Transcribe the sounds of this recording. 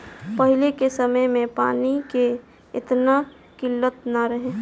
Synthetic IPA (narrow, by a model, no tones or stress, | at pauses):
pəɦɪlekesəməjmẽpa̰ːnike | ɪ̰t̪na | kɪlːət̪naɾəɦẽː